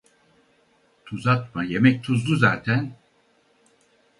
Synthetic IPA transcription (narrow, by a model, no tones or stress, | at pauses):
t̪ʰuzat̪majemɛc̚t̪ʰuzd̪uzaːt̪ʰæn